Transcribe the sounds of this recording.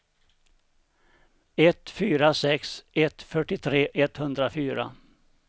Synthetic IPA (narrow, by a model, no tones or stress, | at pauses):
ɛt̪fyːɾasɛksɛt̪fœʈːɪt̪ʰɾeːʔɛt̪hɵnd̪ɾafyːɾa̰